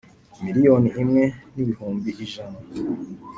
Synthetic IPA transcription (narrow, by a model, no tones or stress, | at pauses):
miɾijoniʔimŋe̞niβihuːmbiːʒana